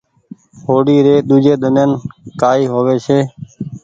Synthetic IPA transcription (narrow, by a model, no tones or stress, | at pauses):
hoːɽiːɾeːɗ̪ud͡ʒeːɗ̪ənenkaːiːɦoːʋeːseː